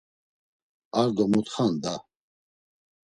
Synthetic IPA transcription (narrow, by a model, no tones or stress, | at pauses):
aɾd̪ɔmut̪χand̪a